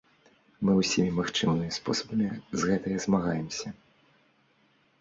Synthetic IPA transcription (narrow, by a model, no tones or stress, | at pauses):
mɨwsʲimʲimaxt͡ʂɨmnɨmʲispɔ̰sɐbɐmʲizɣɛt̪ɨjɐzmaɣajɛmsʲɐ